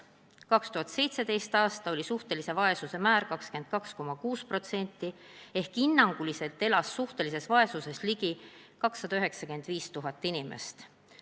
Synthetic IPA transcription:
kɑkst̪uɦɑt̪se̞jt̪se̞d̪e̞jst̪ɑːst̪ɑo̞lʲisuht̪e̞lise̞vɑe̞suse̞mæːɾkɑkske̞nt̪̚kɑksko̞mɑkuːspro̞t̪se̞nʲt̪ːˑie̞hkinːɑŋɡ̥ulise̞lt̪ːˑelɑsːuht̪e̞lise̞svɑe̞suse̞sliɡi | kɑksːɑd̪̥ɑyɦeksɑke̞nd̪̥viːst̪uɦɑt̪ːˑinimḛst̪

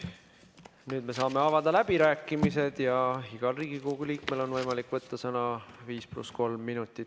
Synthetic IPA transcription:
nyːd̪me̞s̬ɑːme̞ɑvɑd̪̥ɑlæb̥iɾæːkːˑimise̞d̪̥jɑɦiɡ̥ɑlriːɡ̥ikoɡ̥uliːkme̞lo̞nvɤjmɑlikːˑvɤt̪ːɑsɤnɑviːsplṵsko̞lmːinut̪ːˑit̪

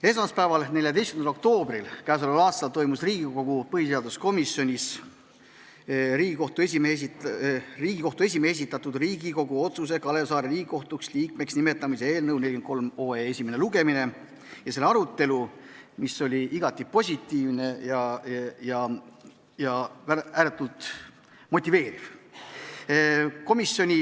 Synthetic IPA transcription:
e̞smɑspæevɑlne̞lʲjɑt̪e̞jst̪kymnlo̞k̚t̪o̞ːbrilkæːs̬ulɑlɑːst̪ɑlt̪o̞jmusriːɡ̥iko̞ɡupɤɦise̞ɑd̪usko̞misjo̞nʲis | ɾiːɡ̥iko̞ht̪ue̞sʲimes | riːɡiko̞ht̪ue̞s̬ʲimees̬it̪ːˑɑt̪ːˑud̪riːɡiko̞ɡuo̞t̪sus̬e̞kɑle̞sɑːɾeɾiːɡiko̞ht̪uksliːkme̞ksnime̞t̪ːˑɑmise̞e̞ːlnɤwnelʲiɡenko̞lmo̞ːeesʲimeneluɡe̞mine̞ | jɑse̞lːeɑɾut̪ːˑe̞lumiso̞lʲiʔiɡ̥ɑt̪ʲˑːipo̞sʲit̪ˑːiːvne̞jɑjɑ | jɑvææːɾet̪ːˑult̪ | mo̞t̪ʲːive̞ːɾiv | ko̞misjo̞nʲi

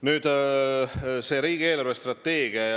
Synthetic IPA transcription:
nyːd̪̥ | se̞ːɾiːɡ̥ie̞ːlorvest̪rɑt̪ːe̞ːɡ̥iɑ

